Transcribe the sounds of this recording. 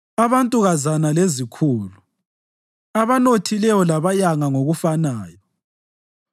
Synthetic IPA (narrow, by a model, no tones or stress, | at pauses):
aβantʼuɣazanalezikʰuːlu | aβanotʰilɛjɔlaβajaŋaŋoɣufanaːjɔ